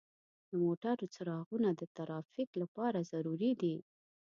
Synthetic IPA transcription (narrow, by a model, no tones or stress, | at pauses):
d̪əmoʈaɾt͡səɾɑɣunad̪ət̪aɾɑfiklapɑɾazaɾuɾid̪i